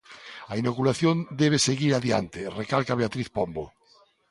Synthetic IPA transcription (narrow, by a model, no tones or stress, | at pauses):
ainokulaθjond̪ɛβ̞eseɣiɾaðja̰nt̪erekalkaβeat̪ɾiθpombo